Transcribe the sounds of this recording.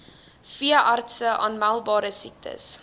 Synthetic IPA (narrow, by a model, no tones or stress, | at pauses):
fiəʔɑrtsəʔɑːnmælˠbɑːɾəsik̚tʰə̰s